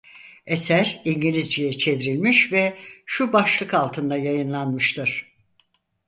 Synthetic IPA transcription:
esæɾiɲɟilʲizd͡ʒijɛt͡ʃʰe̞vɾilʲmiʃvɛʃubaʃlˠɯkalˠt̪ʰɯnd̪ajajɯnlˠanmɯʃt̪ʰɯɾ̥

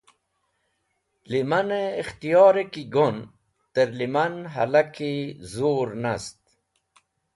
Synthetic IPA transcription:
limɐneːxt̪ijɑːɾekiɡon | t̪əɾlimɐnɦɐ̰lakizoːɾnast̪̚

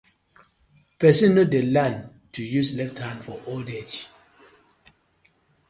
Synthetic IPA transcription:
pɛsĩnːudelãn | tʰujuslɛfthãnfɔʔolded͡ʒ

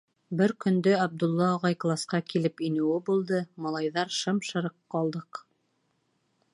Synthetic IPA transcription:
bɘɾkɵ̆nd̪ɵɑb̚d̪ulˠːɑːʁɑjklˠɑsqɑkilɘpinɘ̆wɘbulˠd̪ɤmɑlˠɑjðɑɾʃɤmʃɤ̆ɾɤqːɑlˠd̪ɤq

